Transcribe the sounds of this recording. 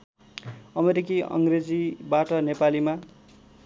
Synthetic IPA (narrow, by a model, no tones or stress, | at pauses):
ʌmeɾikiʌ̰ŋɡred͡zibaʈʌnepalima